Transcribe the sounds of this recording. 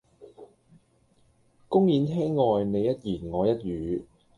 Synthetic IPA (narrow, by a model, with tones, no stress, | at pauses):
kʊ˥ŋjiː˨˥nt̪ʰɛː˥ŋːɔː˨˧jne˨˧jːɐ˥t̚jiː˨˩nŋɔː˨˧jɐ˥t̚jyː˨˧